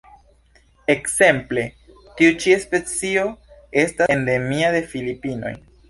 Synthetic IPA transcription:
e̞kse̞mple̞ | tiut͡ʃiespe̞t͡sio̞e̞stande̞miade̞filipino̞̰j

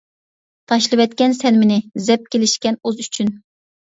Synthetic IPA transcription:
t̪ʰɑʃlˠɨvɛt̪kʲɛnsɛnmɪnɪzɛp̚kʲelɪʃkʲɛnozyt͡ʃʰyn

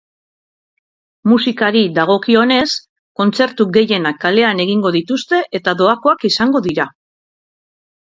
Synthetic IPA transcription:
musikaɾiðaɣ̞o̞kio̞ne̞s | ko̞nt͡se̞ɾt̪uɡe̞je̞nakːale̞ane̞ɣ̞iŋɡo̞ðit̪ust̪e̞ʔet̪aðo̞ako̞akisaŋɡo̞ðiɾa

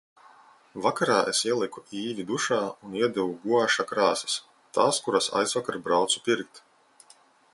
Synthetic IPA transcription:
vakaɾaːʔesiɛlˠikuiːvʲid̪uʃaːuniɛd̪ɛvuɡuɔaʃakɾaːsɐ̥s | t̪aːskuɾasa̰jzvakaɾbɾawt̪su̥piɾk̚t̪

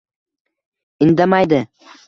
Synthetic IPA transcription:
ɪnd̪amajd̪ɪ

